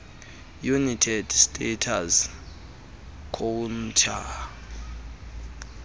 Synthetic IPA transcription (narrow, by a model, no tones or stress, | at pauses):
junitʰɛd̥stʼɛtʰaz | kʰon̩tʰa